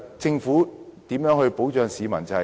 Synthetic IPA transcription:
t͡sɪ˧ŋfuː˨˥t̪iː˨˥mjœː˨˥ŋhɵ˧ɥpo˨˥wt͡ʃœː˧ŋsiː˨˧mɐ˨˩nt͡sɐ˨˧

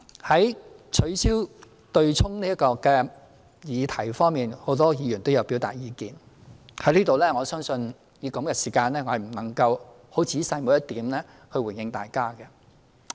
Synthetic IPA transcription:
hɐ˨˥jt͡ʃʰɵ˨˧ɥsiː˥w | t̪ɵ˧ɥt͡sʰʊ˥ŋniː˥ɐ˥kɔː˧kɛː˧ | jiː˨˧t̪ʰɐ˨˩jfɔː˥ŋmiː˨˩nho˨˥wt̪ɔː˥jiː˨˧jyː˨˩nt̪o˥wjɐ˨˧wpi˨˥wt̪a̰ː˨t̚jiː˧kiː˨n | hɐ˨˥jliː˥t̪o˨wlɛː˥ŋɔː˨˧sœː˥ŋsɵ˧n | jiː˨˧kɐ˨˧mkɛ˧siː˨˩kaː˧nlɛː˥ŋɔ˨˧hɐ˨˩jm̩˨˩nɐ˨˩ŋkɐ˧w | ho˨˥wt͡sʰiː˨˥sɐ˧jmo˨˧wjɐ˥t̚t̪iː˨˥mlɛː˥ | hɵ˧ɥwu˨˩njɪ˧ŋt̪a̰ː˨jkaː˥kɛ˧

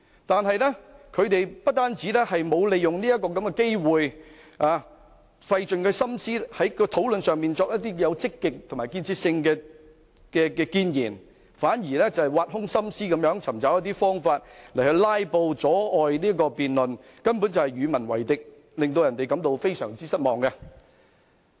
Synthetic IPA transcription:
t̪aː˨nɦɐ˨jlɛ˥kʰɵ˨˧ɥt̪e˨jpɐ˥t̚t̪aː˥nt͡siː˨˥lɛː˥hɐ˨jmo˨˧wle˨jʊ˨ŋniː˥jɐ˥t̚kːɔː˧kɐ˨˥mkɛ˧ke˥jwuː˨j | aː˧ | fɐ˧jt͡ʃɵ˨nkɛ˧sɐ˥msiː˥hɐ˨˥jkɔ˧t̪ʰo˨˥wlɵ˨nsœː˨ŋmiː˨nt͡sɔː˧k̚jɐ˥t̚t̪iː˥jɐ˨˧wt͡sɪ˥kːɪ˨k̚t̪ʰmaː˨˩jkiː˧nt͡sʰiː˧t̚sɪ˧ŋkɛː˧ | kɛː˧kɛː˧kiː˧njiː˨˩n | faː˨˥njiː˨˩lɛː˥t͡sɐ˨whjwaː˧t̚hʊ˥ŋsɐ˥msiː˥kɐ˨˧mjœː˨˥ŋt͡sʰɐ˨˩mt͡sɐ˨˥wjɐ˥t̪iː˥fɔː˥ŋfaː˧t̚lɐ˨˩hɵ˧ɥlaː˥jpo˧wt͡sɔː˨˥ɔː˨jniː˥ɐ˥kɔː˧piː˨nlɵ˨n | kɐ˥npu˨˥nt͡sɐ˨whɐ˨˩jɥyː˨˧mɐ˨˩nwɐ˨˩jt̪ɪ˨k̚ | lɪ˨ŋt̪o˧wjɐ˨˩nt̪e˨jkɐ˨˥mt̪o˧wfe˥jsœː˨˩ŋt͡siː˥sɐ˥t̚mɔː˨˩ŋkɛ˧

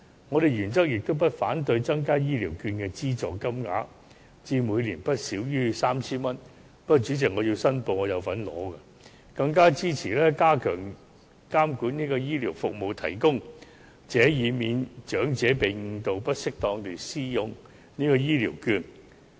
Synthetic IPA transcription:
ŋɔː˨˧ɾe˨˩jyː˨˩nt͡sɐ˥k̚jɪ˨k̚t̪o˥wp̬ɐ˥t̚faː˨˥nt̪ɵ˧ɥt͡sɐ˥ŋkaː˥jiː˥liː˨˩wkyː˧nkɛː˧t͡siː˥t͡sɔː˨˩kɐ˥mŋa̰ː˨˥ | t͡siː˧muː˨˧jliː˨˩npɐ˥t̚siː˨˥wjyː˥saː˥mt͡sʰiː˥nmɐ˥n | pɐ˥t͡ʃyː˨˥t͡sɪ˨k̚ŋɔː˨˧jiː˧wsɐ˥npo˨˧wŋɔː˨˧jɐ˨˧wfɐ˨˥nlɔ̰ː˨˥kɛ˧ | kɐ˧ŋkaː˥t͡siː˥t͡sʰiː˨˩lɛː˥kaː˥kʰœː˨˩ŋ | kaː˥mkuː˨˥niː˥kɔː˧jiː˥liː˨˩wfʊ˨k̚mo˨˧wt̪ʰɐ˨˩jkʊ˥ŋ | t͡sɛː˨˧˥jiː˨˧miː˨nt͡ʃœː˨˥ŋt͡sɛː˨˥pe˨jŋ̩˧t̪o˨wpɐ˥t̚sɪ˥k̚t̪ɔː˧ŋt̪e˨siː˥jʊ˧ŋ | niː˥kɔː˧jiː˥liː˨˩wkyː˧n

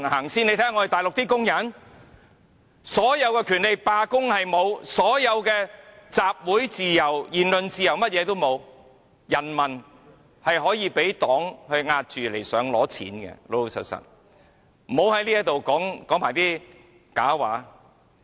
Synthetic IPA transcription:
nhaː˨˩ŋsiː˥ne˧jt̪ʰɛː˥ŋːɔː˧d̪e˨˩t̪aː˨˩jlʊ˨k̚t̪iː˥kʊ˥ŋjɐ˨˥n | sɔː˨˥jɐ˨˧wkɛː˧kʰyː˨˩nle˨jpaː˧kʊ˥ŋhɐ˨jmo˨˧wsɔː˨˥jɐ˨˧wkɛː˧t͡saː˨p̚wuː˨˥jt͡siː˨jɐ˨˩wjiː˨˩nlɵ˨nt͡siː˨jɐ˨˩wmɐ˥t̚jɛː˨˧t̪o˥wmo˨˧w | jɐ˨˩nmɐ˨˩n | hɐ˨jɦɔː˨˥jiː˧pe˨˥jt̪ɔː˨˥ŋhɵ˧ɥŋaː˧t̚t͡ʃyː˨le˨˩jsœː˨˧ŋlɔː˨˥t͡sʰḭː˨˥nkɛ̰˧lo˧sʰɐ̰˨˩t̚sɐ̰˨˩t̚ | m̩˨ho˨˧whɐ˨˥jliː˥jɐ˥t̪o˨wkɔː˨˥ŋkɔː˨˥ŋmaː˨˩jt̪iː˥ | ka̰ː˨˥waː˨˥

